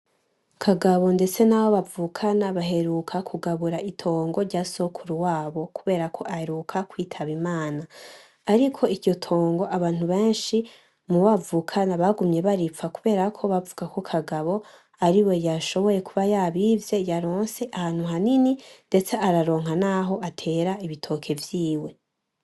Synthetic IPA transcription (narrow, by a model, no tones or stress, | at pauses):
kʰaɡaβo̞nde̞t͡se̞naβo̞βavuːkʰanaβaɦe̞ɾuːkʰakʰuɡaβuɾaʔitʰo̞ːŋɡo̞ɾɟaso̞kʰuɾuwaːβo̞kuβe̞ːɾakʰo̞ʔahe̞ɾuːkʰakwiːtʰaβimaːnaː | ɾikʰo̞iɾɟo̞tʰo̞ːŋɡo̞ʔaβaːn̥uβe̞ːnʃi | muβavukʰanaβaɡumɲe̞βaɾifakuβe̞ːɾakʰo̞βavuɡako̞kʰaɡaβo̞ | aɾiwe̞jaʃo̞βo̞je̞kuβajaːβiːvje̞jaɾo̞ːnse̞ʔahaːn̥huɦanininde̞t͡seʔaɾaɾo̞ːŋ̥hanaːɦo̞ʔatʰe̞ːɾaiβitʰo̞ːkʰe̞vjiːwe̞